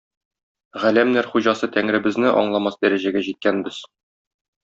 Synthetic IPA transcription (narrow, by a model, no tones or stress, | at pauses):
ʁælæmnæɾχuʑɑsɤt̪æŋɾɘ̆bɘ̆znɘʔɒ̰ɴlˠɑmɑsd̪æɾæʑæɡæʑit̪̚kænbɘz̥